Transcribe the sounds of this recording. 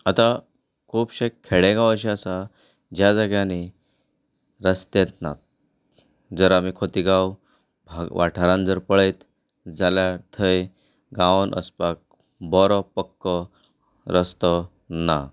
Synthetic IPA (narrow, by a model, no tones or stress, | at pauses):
at̪a | kʰuːpɕekkʰeɽẽɡãwəɕ̬iasa | d͡ʑjad͡zəɡjani | ɾəst̪ẽt̪na̰t̪̚ | d͡zəɾamiːkʰot̪iɡaw | bʱaʋaʈʰaɾãnd͡zəɾpəɭet̪ | d͡zaljat̪ʰəj | ɡãʋənʔə̰spak̚ | bɔɾɔpəkːə | ɾəst̪ɔ | na